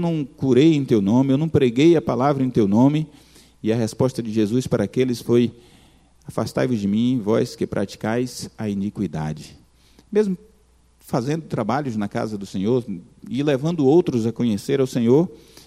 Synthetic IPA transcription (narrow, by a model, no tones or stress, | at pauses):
wnɐ̃w̃kuɾejẽj̃t̪ewnõmɪewnɐ̃w̃pɾeɡejɐpalavɾɐẽj̃t̪ewnõmɪ | ɪɐɦɛspɔst̪ɐd͡ʒɪʒezuspaɾʔɐakelɪsfoj | afa̰st̪a̰vʊd͡ʒɪmĩẽj̃vɔjskɪpɾʔa̰t͡ʃi̥kajzɐinikwid̪a̰d͡ʒɪ | mezmʊ | fazẽnd̪ʊt̪ɾabaʎʊznɐka̰zɐd̪ʊsẽɲoɾ | ɪlevɐ̃nd̪ʊowt̪ɾʊzɐkõɲeseɾawsẽɲoɾ